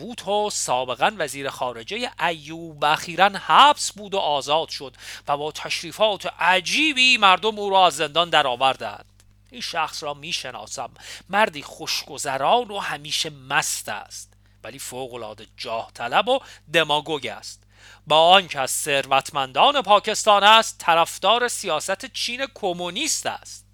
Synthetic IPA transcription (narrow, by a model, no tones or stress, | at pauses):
buːt̪ʰosɒːbe̞ɣænvæziːɾexɒːɾe̞d͡ʒe̞jeʔæjːuːbvæxiːɾænhæːbsbuːd̪oʔɒːzɒːd̪̥ʃo̞d̪væbɒːt̪ʰæʃɾiːfɒːt̪ʰeʔæd͡ʒiːbiːmæɾd̪o̞muːɾɒːæzːe̞nd̪ɒnd̪æɾɒːvæɾd̪æ̰nd̪̥ | iːnʃæxsɾɒːmiːʃe̞nɒ̰ːsæmːæɾd̪iːχo̞ʃɡ̥o̞zæɾɒːɾohæmiːʃe̞mæst̪æ̰st̪ | væliːfoɣo̞lɒ̰ːd̪e̞d͡ʒɒːht̪ʰælæbod̪e̞mɒːɡoɟæ̰st̪ | bɒːɒncʰæsːe̞ɾvæt̪ʰmænd̪ɒːne̞pʰɒːcʰe̞st̪ɒːnæst̪ʰːæɾæfd̪̥ɒːɾe̞sijɒːsæt̪ʰet͡ʃʰiːnekʰomoniːst̪æ̰ːst̪̚